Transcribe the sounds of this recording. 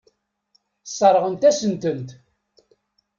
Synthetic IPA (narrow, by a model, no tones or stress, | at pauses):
sˤːɑɾˤʁənt̪æsənt̪ənt̪